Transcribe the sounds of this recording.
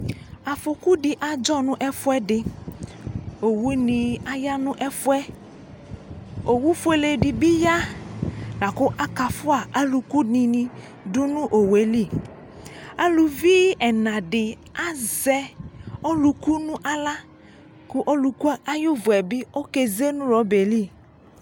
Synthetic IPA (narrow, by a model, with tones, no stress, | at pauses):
a˨fʊ˨ku˦dɪ˨ʔa˨d͡ʒɔ˦nʊ̃˦ʔɛ˦fʊ˦ɛ˦dɪ˨ | o˨wu˦nɪ˨a˦ja˦nʊ̃˦ʔɛ˦fʊ˦ɛ˦ | o˨wu˦fe˨le˨dɪ˨bɪ˦ja˦ | la˨kʊ˦ʔa˦ka˨fʊ˦a˨ʔa˦lu˨ku˦nĩ˨nĩ˨ | dʊ˦nʊ̃˦ʔo˨we˨˦li˦˨ | a˦lu˨vi˦ɛ˨nã˨dɪ˨ | a˦zɛ˦ɔ˦lu˨ku˦nʊ̃˦ʔa˦la˦ | kʊ˦ʔo˦lu˨ku˦a˦a˦jʊ˦vʊ˨ɛ˨bɪ˦o˦ke˨ze˦nʊ̃˦ɾɔ˨˦be˨li˦